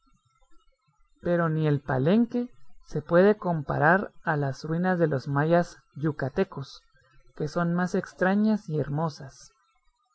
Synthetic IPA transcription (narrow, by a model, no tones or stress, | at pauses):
pe̞ɾo̞nie̞lpa̰le̞ŋke̞se̞pwe̞ðe̞ko̞mpa̰ɾaɾalasrwinazðe̞lo̞zmajas | ʝukat̪e̞ko̞s | ke̞so̞nmase̞kst̪ɾaɲasieɾmo̞sas